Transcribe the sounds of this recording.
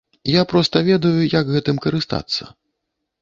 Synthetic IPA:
japɾɔst̪ɐvʲɛd̪ɐjujaɡɣɛt̪ɨmkɐɾɨst̪a̰t̪sːɐ̰

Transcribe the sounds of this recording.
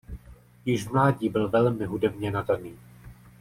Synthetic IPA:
jɪʒvmlaːɟiːbɪlvɛlmɪɦudɛbɲɛnadaniː

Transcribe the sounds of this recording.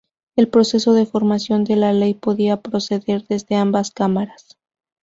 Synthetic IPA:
e̞lpɾo̞se̞so̞ðe̞fo̞ɾmasjo̞nd̪e̞lale̞jpo̞ðiapɾo̞se̞ðe̞ɾðe̞zðe̞ambaskamaɾas

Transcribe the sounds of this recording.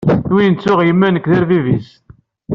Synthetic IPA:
θwiənt͡sːʊʁjəmːænəkːðəɾvivis

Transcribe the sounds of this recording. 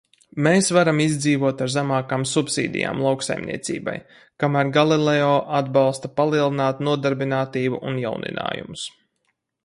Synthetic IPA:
meːsvaɾamizd̪ziːvuɔt̪aɾzamaːkaːmsupsḭːd̪ʲḭja̰ːmlˠawksa̰jmnḭɛt̪sḭːba̰j | kamæːɾɡalˠilˠɛɔːʔad̪bɑlˠst̪apalˠiɛlˠinaːt̪nuɔd̪aɾbinaːt̪iːbuʔunja̰wnḭna̰ːjṵmʊs

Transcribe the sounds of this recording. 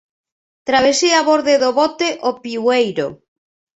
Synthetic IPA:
t̪ɾaβ̞esiaβoɾðeðoβɔt̪eʔopiwejɾo̰

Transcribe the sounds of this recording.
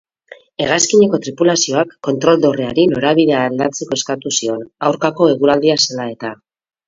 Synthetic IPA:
e̞ɣaskiɲeko̞t̪ɾipulasio̞akːo̞nt̪ɾo̞ld̪o̞reaɾino̞ɾaβ̞iðe̞aːld̪at͡se̞ko̞eskat̪usio̞nawɾkako̞e̞ɣ̞unald̪iaselae̞t̪a

